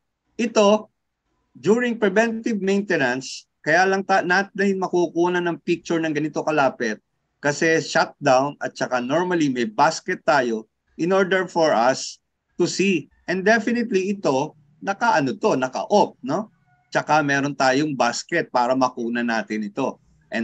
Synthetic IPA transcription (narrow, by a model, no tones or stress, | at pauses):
ʔɪt̪o̞ | d͡ʒ̪uːɹɪŋpɹɛvɛ̃nt̪ɪvmejnt̪ɛnɐns | kɐjaːlɐŋt̪anat̪̚nɐjɪnmɐkukuːnɐnɐŋpik̚t͡ʃʊɹnɐŋɡɐnɪt̪o̞kɐlaːpɛt̪̚ | kɐsɛʃat̪̚d̪awnɐ̰t̪̚t͡ʃɐkano̞ɹmɐlimɐjbaskɛt̪ːaːjo̞ | ʔɪno̞ɹd̪ɛɹfoɹʔɐs | t̪usi | ʔɛnd̪ɛfɪnɪt̪liɪt̪o̞ | nɐkɐʔɐnot̪o̞nɐkɐ̰ʔop̚no̞ | t͡ʃɐkamɛːɾont̪aːjoŋbaskɛt̪̚paːɾɐmɐkuːnɐnaːt̪ɪnɪt̪o̞ | ʔɛ̃n